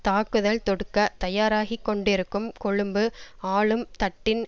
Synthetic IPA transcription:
t̪aːkɯðɐlt̪ɔɽɯkːɐt̪ɐjaːɾaːɣikːɔɳɖɪɾɯkːɯmkɔɻɯmbɯaːɭɯmt̪ɐʈːɪn

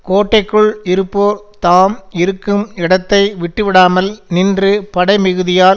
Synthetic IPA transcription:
koːʈːɐɪkːɯɭɪɾɯpːoːɾ | t̪aːmɪɾɯkːɯmɪɽɐt̪ːɐɪʋɪʈːɯʋɪɽaːmɐlnɪndrɯpɐɽɐɪmɪɣɯðɪjaːl

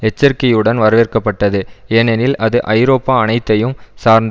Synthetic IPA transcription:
ɛt͡ʃːɐɾkɐjɯɽɐnʋɐɾɐʋeːrkɐpːɐʈːɐðɯenɛnɪlɐðɯʔɐɪɾoːpːaːɐnɐɪt̪ːɐjɯmsaːɾnd̪

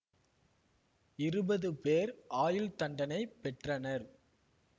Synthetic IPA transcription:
ɪɾɯbɐðɯpeːɾaːjɪlt̪ɐɳɖɐnɐɪpːɛʈrɐnɐɾ

